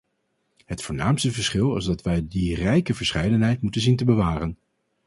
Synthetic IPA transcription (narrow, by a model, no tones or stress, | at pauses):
ɦətfʊːɹnaːmstəvəɹsχɪlˠɪ̰zdɑtʋɛjdirɛjkəvəɹsχɛjdənɦɛjtmutənzintəbəʋaːrən